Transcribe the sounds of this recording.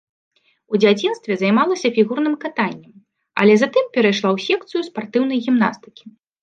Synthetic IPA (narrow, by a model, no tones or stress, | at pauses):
ud͡zʲat͡sʲinst̪vʲɛzajmalˠɐsʲɐfʲiɣurnɨmkat̪anʲːɛm | ɐ̰lʲɛzat̪ɨmpʲɛɾɐjʂlˠawsʲɛk̚t̪sɨjuspart̪ɨwn̪ɐjɣʲimna̰st̪ɨ̥kʲi